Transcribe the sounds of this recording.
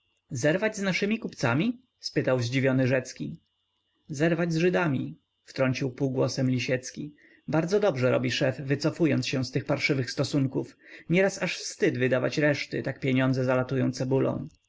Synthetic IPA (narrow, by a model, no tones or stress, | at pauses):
zɛɾvad͡ʑznaʂɘmʲikupt̪samʲi | spɘt̪awʑd͡ʑivʲjɔnɘʐɛt̪skʲi | zɛɾvad͡ʑzʐɘd̪amʲi | ft̪ɾɔɲt͡ɕiwpuːɡwɔsɛmlʲiɕɛt̪skʲi | baɾd̪zɔd̪ɔbʐɛɾɔ̰bʲiʂɛfːɘt̪sɔfujɔntsɕɛ̃st̪ɘxpaɾʂɘvɘxst̪ɔsuŋkufɲɛɾasaʂfst̪ɘd̪vɘd̪ava̰t͡ɕɾɛʂt̪ɘt̪ak̚pʲjeɲɔnd̪zɛzalat̪ujɔ̃nt̪sɛbulɔ̰̃w̃